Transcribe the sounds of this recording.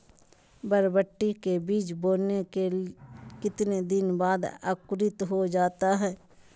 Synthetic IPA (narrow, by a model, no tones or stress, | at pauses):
bəɾbəʈːikebiːt͡ʃboːlneke | kɪt̪ned̪ɪnbaːd̪ə̰kɾɪt̪ɦod͡ʒaːt̪aɦɛː